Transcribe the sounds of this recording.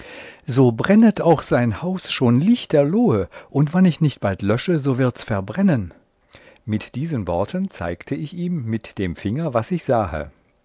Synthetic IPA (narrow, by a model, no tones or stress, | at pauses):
zoːbʁɛnətʰaʊxz̥aɪnhaʊsʃoːnlɪçt̚d̥eːɐloːəʔʊntv̥anɪçnɪçt̚b̥altlœʃəzoːvɪɐtsfɛɐbʁɛnən | mɪtd̥iːzənvɔɐtʰənt͡sa̰ɪktʰəɪçiːmːɪtd̥eːmfɪŋɐvasɪçz̥aːhə̰